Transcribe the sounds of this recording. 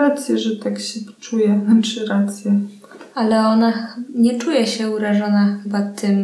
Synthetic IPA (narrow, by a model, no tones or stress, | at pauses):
at̪sʲjɛʐɛt̪akɕɛt͡ʂujɛt͡ʂɘɾat̪sʲjɛ | alɛɔnaɲɛt͡ʂujɛɕɛuɾaʐɔnaxɘbat̪ɘm